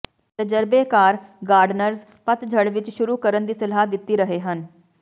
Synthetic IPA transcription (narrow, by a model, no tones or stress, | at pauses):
t̪əd͡ʒəɾbeːkaːɾɡaːɾɖnəɾz | pət̪d͡ʒʱəɽʋɪt͡ʃʃʊɾuːkəɾənd̪iːsɐlaːd̪ɪt̪ːiːɾəɦeːɦən